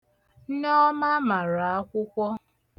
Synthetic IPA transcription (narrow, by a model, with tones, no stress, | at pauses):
nɔ˦ma˦ma˨ɾa˨a˦kʷʊ˦kʷɔ˦